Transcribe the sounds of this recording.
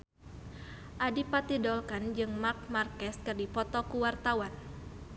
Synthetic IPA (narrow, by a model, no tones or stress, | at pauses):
ʔadipat̪idɔlkand͡ʒɨŋmak̚markɛs̚kɨrdipɔt̪ɔkuwart̪awan